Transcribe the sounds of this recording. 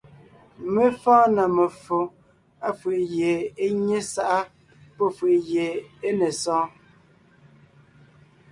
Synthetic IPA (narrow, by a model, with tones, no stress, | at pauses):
me˦fɔ̃ː˦nə˨mə˨fo˨ | a˦fə˨ʔje˨e˦ɲe˦sa˦ʔa˦ | po˦fi˨je˨e˦ne˨sɔ̃ː˦